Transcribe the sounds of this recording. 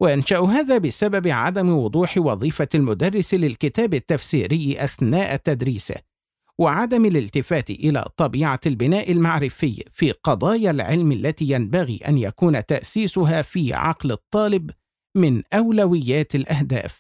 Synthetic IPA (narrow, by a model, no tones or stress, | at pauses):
waʔanʃaʔɦaːðaːbɪsababɪʕa̰d̪amwʊd̪ˤuːħwɑðˤiːfaalmʊd̪ɑrˤːɪslɪlkɪt̪aːbɪt̪ːafsiːɾɪjːʔaθnaːʔat̪ːad̪ɾiːsa̰ | wɪʕad̪amalɪlt̪ɪfaːt̪ʔɪla̰ːt̪ˤɑbiːʕalbɪnaːʔɪlmaʕɾɪfɪjːfiːqɑd̪ˤɑːjalʕɪlmalːat̪iːjambaɣḭːʔa̰njakuːnat̪aʔsiːsʊɦaːfiːʕɑ̰qlɨt̪ˤːɑːlɪb | mɪnʔawlawɪjːaːt̪alʔahd̪a̰ːf